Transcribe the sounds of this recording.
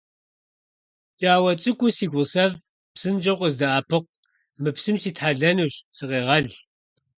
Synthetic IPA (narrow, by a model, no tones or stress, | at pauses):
t͡ʃʼaːwɐt͡sʼɨkʷʼʊsiːɡʷʊsɐv | psɨnd͡ʒɐqʷəzdɐaːpʰɨq̚ | mɨpsɨmsiːtħaɮɐnuːɕsɨqeːʁɐɮ